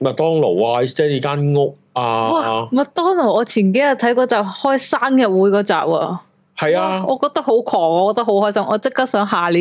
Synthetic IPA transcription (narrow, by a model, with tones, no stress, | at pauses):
mɐ˨˩t̪ɔː˥ŋlo˨˩waː˧i˨st̪ɛː˥liː˨˧kaː˥nŋʊ˥k̚ | aː˧wa˨˧mɐ˨˩t̪ɔː˥ŋlo˨˩wɔː˨˧t͡sʰiː˨˩nke˨˥jɐ˨t̪ʰɐ˨˥jkɔː˨˧˥t͡saː˨p̚hɔː˥jsaː˥mjɐ˨t̚wuː˨˥jkɔː˨˥t͡sa̰ː˨p̚ɐ̰ː˧ | hɐ˨jaː˧ʔɔː˨˧kɔː˧t̪ɐ˥k̚ho˨˥wkʰɔː˨˩ŋɔː˨˧kɔː˧t̪ɐ˥ho˨˥whɔː˥jsɐ˥mʔɔː˨˧t͡sɪ˥kːaː˥k̚sœː˨˥ŋɦaː˨li˨˧